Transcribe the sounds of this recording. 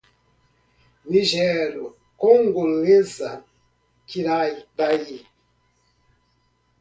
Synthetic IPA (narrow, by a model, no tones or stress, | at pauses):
niʒɛɾu | koŋɡuleza | kiɾajbaji